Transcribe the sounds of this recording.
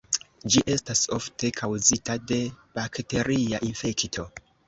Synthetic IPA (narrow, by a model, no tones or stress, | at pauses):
d͡ʒiʔe̞staso̞ftʰe̞kʰawzitade̞b̥akte̞ɾiaʔinfe̞ktʰo̞